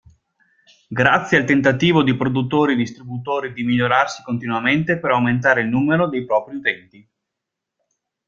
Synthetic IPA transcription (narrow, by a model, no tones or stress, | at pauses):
ɡɾat̪sːjealt̪ent̪at̪iːvod̪ipɾod̪ut̪ːoːɾid̪ist̪ɾibut̪oːɾid̪imiʎːoɾarsi̥kont̪inuament̪epeɾawment̪̬aːɾeilnuːmeɾod̪ejpɾɔːpɾiut̪ɛnt̪i